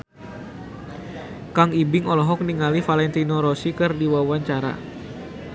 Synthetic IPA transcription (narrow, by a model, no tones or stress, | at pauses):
kaŋibɪŋɔlɔɦɔk̚niŋalifalɛnt̪inɔɾɔsikɨrdiwawaɲt͡ʃaɾa̰